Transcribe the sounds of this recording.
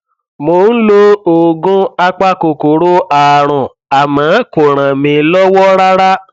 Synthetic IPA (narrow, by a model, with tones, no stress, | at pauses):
mo˧˦n̩˦lo˦o˨ɡũ˦a˦k͡pa˦ko˧ko˨ɾo˦a˨ɾ̃ũ˨ | a˨mã˨˦ko˨ɾ̃ã˨mĩ˧lɔ˦wɔ˦ɾa˦ɾa˦